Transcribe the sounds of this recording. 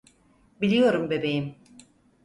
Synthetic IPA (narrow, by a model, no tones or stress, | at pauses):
bilʲijo̞ɾumbe̞be̞jim